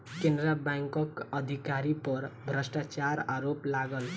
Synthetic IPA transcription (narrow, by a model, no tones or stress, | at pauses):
kendɾabaŋkʌkʌd̪ʱikaɾipʌɾbʱrʌsʈat͡saɾaɾoplaɡʌl